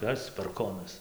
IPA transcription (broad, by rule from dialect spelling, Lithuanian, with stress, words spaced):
ˈkɐs pɐrˈkoːnɐs